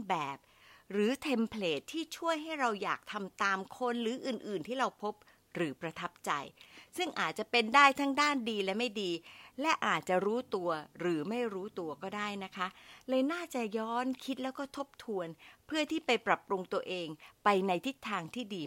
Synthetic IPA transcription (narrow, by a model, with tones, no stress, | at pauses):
bɛː˨˩p̚ | ɾɯː˩˦t̪ʰe˧mpʰleː˨˩t̪ʰːiː˥˩t͡ɕʰu˥˩əjɦa˥˩jɾa˧wja̰ː˨˩k̚t̪ʰa˧mt̪aː˧mkʰo˧nɾɯː˩˦ʔɯː˨˩nʔɯː˨˩nt̪ʰiː˥˩ɾa˧wpʰo˦˥p̚ | ɾɯː˩˦pɾa˧t̪ʰa˦˥p̚t͡ɕa˧jsɯ˥˩ŋʔaː˨˩t̪̚t͡ɕa˨˩pe˧ndaː˥˩jt̪ʰa˦˥ŋdaː˥˩ndiː˧lɛ˦˥ma˥˩jdiː˧lɛ˦˥ʔaː˨˩t̪̚t͡ɕa˨˩ɾuː˦˥t̪u˧ɐɾɯː˩˦ma˥˩jɾuː˦˥t̪u˧ɐkɔː˥˩daː˥˩jna˦˥kʰa˦˥lɤː˧naː˥˩t͡ɕa˨˩jɔː˦˥nkʰi˦˥t̪̚lɛː˦˥wkɔː˥˩t̪ʰo˦˥p̚t̪ʰu˧ənpʰɯ˥˩ət̪ʰiː˥˩pa˧jpɾa˨˩p̚ːɾu˧ŋt̪u˧ɐʔeː˧ŋpa˧jna˧jt̪ʰi˦˥t̪ʰːaː˧ŋt̪ʰiː˥˩diː˧